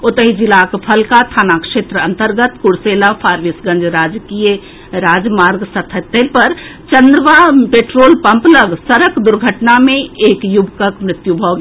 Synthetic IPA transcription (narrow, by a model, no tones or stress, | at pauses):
ot̪əɦid͡ʒilakpʰəlkat̪ʰaːnakʃeːt̪ɾəə̃nt̪əɾɡət̪kuɽseːlapʰaːɾʋisɡə̃nd͡ʒɾaːd͡ʒkijə | ɾaːd͡ʒmaːɾɡsət̪ʰət̪ːelpəɾt͡ʃənd̪ɾəʋapeːʈɾoːlpə̃mpləɡsəɾəkd̪ʊɾɡʱəʈnamẽeːkjubkəkmɾɪt̪jubʱɔɡe